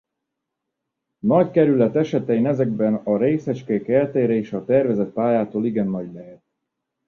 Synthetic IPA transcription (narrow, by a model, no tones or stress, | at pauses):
nɒckɛɾylɛt̪ɛʃɛt̪ɛjinɛzɛɡbɛnɒɾeːsɛt͡ʃkekɛlt̪eːɾɛeːʃɒt̪ɛrvɛzɛt̪̚paːjaːt̪oːliɡɛnːɒɟlɛɦɛt̪̚